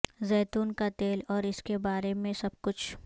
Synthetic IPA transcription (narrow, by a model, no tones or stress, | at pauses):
zɛːt̪uːnkat̪eːlɔːɾɪskebaːɾemẽsɐb̚kʊt͡ʃʰ